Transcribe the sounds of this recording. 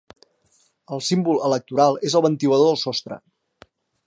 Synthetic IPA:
əlˠsimbulələk̚t̪uɾalˠezəlˠβənt̪iwəðoðəlˠsɔst̪ɾə̰

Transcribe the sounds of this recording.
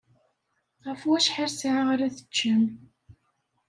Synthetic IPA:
ʁəfwæʃħaɾsʕʁɾæθə̥t͡ʃːəm

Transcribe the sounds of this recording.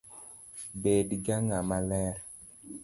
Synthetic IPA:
bedɡaŋamalɛɾ

